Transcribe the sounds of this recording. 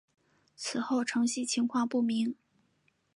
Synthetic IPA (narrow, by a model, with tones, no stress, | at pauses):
t͡sʰɹ̩˨˩xo˥˩ʊʈ͡ʂʰɤ˧˥ŋɕi˥˩t͡ɕʰi˧˥ŋkʰwɑ˥˧ŋpu˥˩mi˧˥ŋ